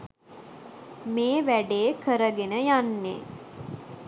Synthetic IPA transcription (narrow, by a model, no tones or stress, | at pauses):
meːʋæɖeːkəɾəɡenəjanːḛ